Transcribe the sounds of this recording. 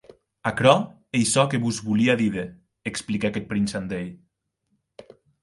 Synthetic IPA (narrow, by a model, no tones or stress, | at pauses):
akɾɔ | ejsɔkeβuzβuliaðiðe | eksplikaket̪̚pɾinsand̪eʎ